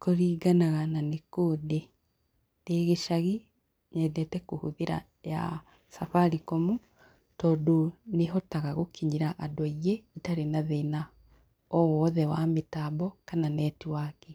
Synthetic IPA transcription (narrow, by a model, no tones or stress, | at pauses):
koɾiːɡanaɣananekoːde | neɣeʃaɣi | ɲɛdɛtɛkohuðeɾa̰ | ja̰ | safaɾikɔmu | tɔːdoneɦɔtaɣaɣokiɲiɾaʔadwaiɣeːtaɾenaðena | ɔwɔðɛwametabɔkananɛːtiwake